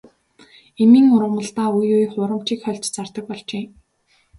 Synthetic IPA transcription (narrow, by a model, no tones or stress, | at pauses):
emiːŋʊɾʁə̆mə̆ɮt̪aːujujχʊɾə̆m̥t͡ɕiːkχœɬt͡ɕt͡sart̪ə̆k̚pɔɮt͡ɕeː